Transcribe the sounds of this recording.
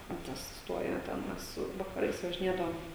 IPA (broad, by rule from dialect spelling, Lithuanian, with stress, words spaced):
tʲɛn ˈtɐs ˈstuɔjoː ˈtʲɛn ˈmʲɛs ʋɐkɐˈrɐɪs ʋɐʒʲɪˈnʲeːdɐʋoːm